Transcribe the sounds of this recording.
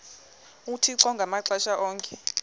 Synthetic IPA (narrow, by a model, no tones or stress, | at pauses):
utʰiǁɔŋɡʱamaǁaʃaʔɔːŋkʰʼɛ